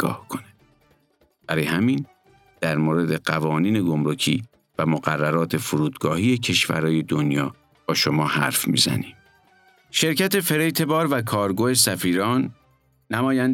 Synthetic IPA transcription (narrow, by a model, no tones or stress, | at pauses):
ɡɒ̰ːhkʰone | b̥æɾɒːjehæmiːn | d̪̥æɾmoːɾe̞d̪e̞ɢævɒːniːne̞ɡomɾocʰḭː | væmoɢærːæɾɒːt̪ʰe̞fuɾuːd̪̥ɡɒːhiːje̞cʰe̞ʃvæ̰ɾɒːje̞d̪o̞njɒː | b̥ɒːʃo̞mɒːhæ̰ɾfmḭːzæ̰niːm | ʃe̞ɾcæt̪e̞fe̞ɾejt̪ʰe̞bɒːɾvækʰɒːɾɡoːesæfiːɾɒːnː | æmɒːjænd̪